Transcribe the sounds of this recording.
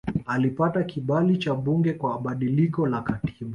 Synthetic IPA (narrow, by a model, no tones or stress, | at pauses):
alipatakiɓalit͡ʃaɓuŋɡɛkwaɓaɗilikɔlakati̥ɓa